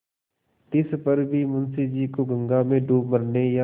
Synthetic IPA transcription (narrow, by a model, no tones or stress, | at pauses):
t̪ɪspɐɾbʱimʊ̃nsid͡ʒiːkoɡə̃ŋɡamẽɖuːməɾneja